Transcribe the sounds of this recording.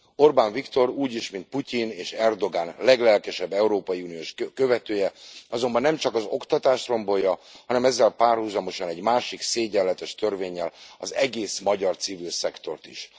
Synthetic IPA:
o̞rbaːnvikt̪o̞ɾuːɟiʃmint̪̚pucineːʃɛrd̪o̞ɡaːnlɛɡlɛlkɛʃɛbːɛuɾoːpɒjiunijoːʃkø̞vɛt̪øːjɛɒzo̞mbɒnːɛmt͡ʃɒkɒzo̞kt̪ɒt̪aːʃro̞mbojɒhɒnɛmɛzːɛlpaːrhuzɒmo̞ʃɒnɛɟmaːʃikseːɟɛlːɛt̪ɛʃt̪ørveːɲːɛlɒ̰zɛɡeːsmɒɟɒrt̪sivilsɛkt̪o̞̰rt̪ḭʃ

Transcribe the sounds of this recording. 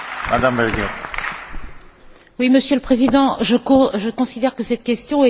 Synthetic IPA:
mad̪ambɛlɡɛ | wiməsjələpχezid̪ɑ̃ʒəʒəkɔ̃sid̪ɛʁkəsɛt̪kʲɛst̪jɔ̃ɛ

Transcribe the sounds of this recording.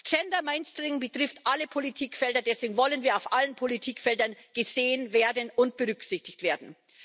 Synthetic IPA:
t͡ʃɛndɐmaɪnstʁɪŋbətʁ̥ɪftʔaləpʰolitʰiːkfɛldɐdɛsv̥eːɡŋ̩vɔlənviːɐaʊfʔalənpʰolitʰiːkfɛldɐnɡ̥əzeːənveːɐdənʊntb̥əʁʏksɪçtɪçtv̥eːɐdn̩

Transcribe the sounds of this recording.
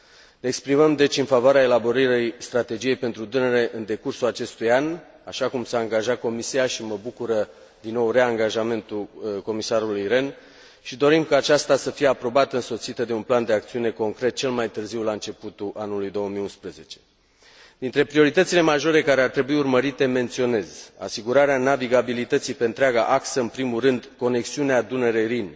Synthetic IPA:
neːkspɾiməmd̪e̞t͡ʃʲɨnfavoaɾeae̞labo̞ɾiɾejst̪ɾat̪e̞d͡ʒije̞jpe̞nt̪ɾud̪ɨnəɾe̞ʔɨnd̪e̞kursulat͡ʃe̞st̪ujan | aʃakumsaːŋɡaʒat̪̚ko̞misiaʃiməbukuɾə | d̪inːo̞wre̞aŋɡaʒame̞nt̪uko̞misaɾulujɾe̞n | ʃid̪o̞ɾimkaːt͡ʃast̪asəfijeapɾo̞bat̪əɨnso̞t̪sit̪əd̪e̞unpland̪e̞akt̪siune̞ko̞ŋkɾe̞t̪̚t͡ʃe̞lmajt̪ɨrziwlaɨnt͡ʃe̞put̪uʔanulujd̪o̞wəmijunspɾeze̞t͡ʃe̞̥ | d̪int̪ɾe̞pɾio̞ɾit̪ət̪sile̞maʒo̞ɾe̞kaɾe̞art̪ɾe̞buiurməɾit̪e̞me̞nt̪sio̞ne̞za̰siɡuɾaɾeanaviɡabilit̪ət̪sipe̞ɨnt̪ɾeaɡa̰ʔaksəɨnpɾimurɨnd̪ko̞ne̞ksiunead̪unəɾeɾin

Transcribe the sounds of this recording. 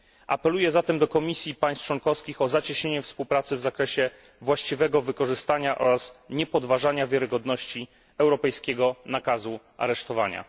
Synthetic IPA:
ʔa̰pɛlujɛzat̪ɛmd̪ɔkɔmʲisʲjipaj̃st͡ʂwɔnkɔfskʲixɔzat͡ɕeɕɲeɲɛfspuwpɾat̪sɘvzakɾɛɕɛ | vwaɕt͡ɕivɛɡɔvɘkɔʐɘst̪aɲaʔɔ̰ɾasɲɛpɔd̪vaʐaɲavʲjaɾɘɡɔd̪nɔɕt͡ɕi | ɛwɾɔpɛjskʲɛɡɔnakazu | ʔa̰ɾɛʂt̪ɔvaɲa̰

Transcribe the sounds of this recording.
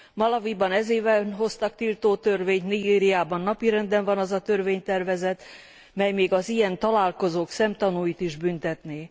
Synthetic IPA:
mɒlɒvibɒnɛzeːvɛnɦo̞st̪ɒk̚t̪ilt̪oːt̪ø̞rveːɲt̪niɡeːɾijaːbɒnːɒpiɾɛnd̪ɛɱvɒnɒzɒt̪ørveːɲt̪ɛrvɛzɛt̪ | mɛjmeːɡɒzijɛnt̪ɒlaːlko̞zoːksɛmt̪ɒnuːjit̪iʒbynt̪ɛt̪neː

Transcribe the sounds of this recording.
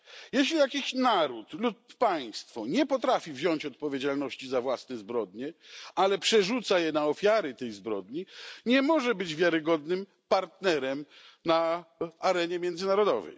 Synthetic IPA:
jɛɕlʲijakʲiɕnaɾut̪lupːaj̃st̪fɔɲɛpɔt̪ɾafʲivʑɔɲt͡ɕɔt̪̚pɔvʲjed͡ʑalnɔɕt͡ɕizavwasnɛzbɾɔd̪ɲɛalɛpʂɛʐut̪sajɛnaɔfʲjaɾɘt̪ɛjzbɾɔd̪ɲiɲɛmɔʐɛbɘd͡ʑvʲjaɾɘɡɔd̪nɘm | paɾt̪nɛɾɛmnaaɾɛɲɛmʲjɛnd̪zɘnaɾɔd̪ɔvɛ̰j

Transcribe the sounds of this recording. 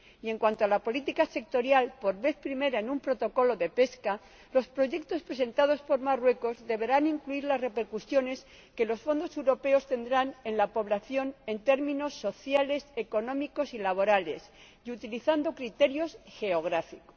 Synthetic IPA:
je̞ŋkwant̪oalapo̞lit̪ikase̞k̚t̪o̞ɾjalpo̞ɾβe̞θpɾime̞ɾaenumpɾo̞t̪o̞ko̞lo̞ðe̞pe̞ska | lo̞spɾo̞ʝe̞k̚t̪o̞spɾe̞se̞nt̪að̞o̞spo̞ɾmarwe̞ko̞zðe̞βe̞ɾaniŋkluiɾlazre̞pe̞ɾkusjo̞ne̞s | ke̞lo̞sfo̞nd̪o̞se̞wɾo̞pe̞o̞st̪e̞nd̪ɾane̞nlapo̞β̞laθjo̞ne̞nt̪e̞ɾmĩno̞sːo̞θjale̞se̞ko̞nõ̞miko̞silaβ̞o̞ɾale̞̰s | jut̪iliθand̪o̞kɾit̪e̞ɾjo̞sxe̞oɣ̞ɾafiko̥

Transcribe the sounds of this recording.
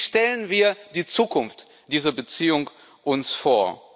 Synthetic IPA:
ʃtɛlənviːɐd̥iːt͡suːkʰʊnft | d̥iːzɐbət͡siːʊŋ | ʔʊnsfoːɐ

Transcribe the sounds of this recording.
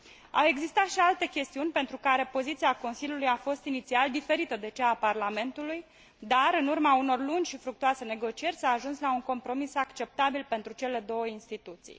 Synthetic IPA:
a̰we̞ɡzist̪at̪ʃialt̪e̞kʲe̞st̪iunʲpe̞nt̪ɾukaɾe̞po̞zit̪siako̞nsiljulujafo̞st̪init̪siald̪ife̞ɾit̪əd̪e̞t͡ʃeːparlame̞nt̪uluj | d̪aɾɨnurmauno̞rlund͡ʒʲʃifɾuk̚t̪uase̞ne̞ɡo̞t͡ʃie̞rʲsaːʒunslauŋko̞mpɾo̞misakt͡ʃe̞p̚t̪abilpe̞nt̪ɾut͡ʃe̞le̞d̪o̞wəinst̪it̪ut̪sḭj

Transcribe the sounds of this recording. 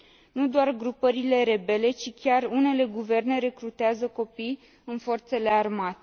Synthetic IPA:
nud̪oarɡɾupəɾile̞ɾe̞be̞le̞t͡ʃikʲarune̞le̞ɡuve̞rne̞ɾe̞kɾut̪eazəko̞pij | ɨnfo̞rt̪se̞le̞armat̪e̥

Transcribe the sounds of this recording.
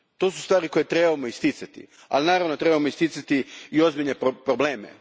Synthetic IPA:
t̪o̞ːsust̪ʋaːɾiko̞jet̪ɾe̞bamoist̪it̪sat̪ḭ | a̰linaːɾaʋnot̪ɾebamoist̪it̪sat̪iio̞zbiʎneppɾoble̞ːmḛ

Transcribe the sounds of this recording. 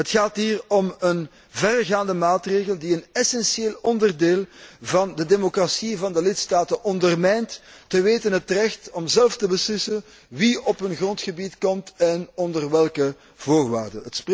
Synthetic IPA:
ɦətxaːtɦiːrɔmən | vɛrɣaːndəmaːtreːɣəlˠdiənɛsɛnsjeːlɔndərdeːlˠvɑndədeːmokrasivɑndəlɪtstaːtənʔɔndərmɛjntːəʋeːtənɦətrɛxtɔmzɛlftəbəslɪsən | ʋiɔpɦɵnɣrɔntxəbitkɔmtɛnɔndərʋɛlˠkə | voːrʋa̰ːrdə̰nɦətsp

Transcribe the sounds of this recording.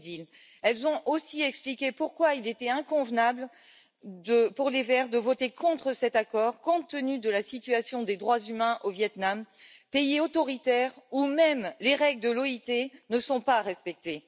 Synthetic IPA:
zil | ɛlzɔ̃ʔosiɛksplikʲepuʁkwailet̪ɛɛ̃kɔ̃vnabl | d̪əpuʁlevɛʁd̪əvɔt̪ekɔ̃t̪χəsɛt̪akɔʁkɔ̃t̪ənyd̪əlasit̪yasjɔ̃d̪ed̪ʁwazymɛ̃ʔovjɛt̪nampeiot̪ɔʁit̪ɛʁumɛmleʁɛɡld̪əlɔit̪enəsɔ̃paʁɛspɛk̚t̪e

